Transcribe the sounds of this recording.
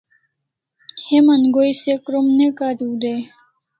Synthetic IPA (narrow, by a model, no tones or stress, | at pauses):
hemanɡojsekɾomnekaɾud̪e